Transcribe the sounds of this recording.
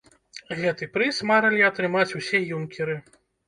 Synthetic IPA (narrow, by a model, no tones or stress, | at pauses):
ɣɛt̪ɨpɾɨsmaɾɐlʲiɐt̪ɾɨmat͡sʲuwsʲɛjumkʲɛɾɨ